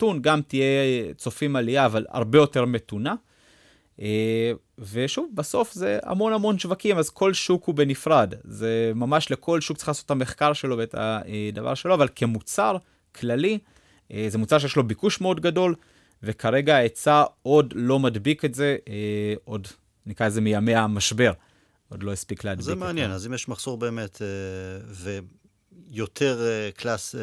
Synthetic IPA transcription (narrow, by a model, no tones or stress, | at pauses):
tunɡamtije̞t͡so̞fimalijaːvala̰ʁbe̞jo̞te̞ʁme̞tuna | ʔe | ve̞ʃuvbaso̞fze̞a̰mo̞namo̞nʃvakimazko̞lʃukube̞nifʁadzemamaʃlekʰo̞lʃuk̚t͡ssi̥χlasotame̞χkaʁʃe̞lo̞beetʰa̰edava̰ʁʃe̞lo̞avalkʰe̞mut͡saʁ | kʰlali | ze̞mut͡saʁʃejeʃlo̞bikuʃmeo̞dɡado̞l | vekʰaʁe̞ɡaet͡sao̞dlo̞madbiketze̞ | o̞d | nikʁaezemijameamaʃbe̞ʁ | o̞dlo̞jispikleadzemeanjenazimjeɛʃmaχso̞ʁbeːmeteve | jot̪ʰeʁkʰlas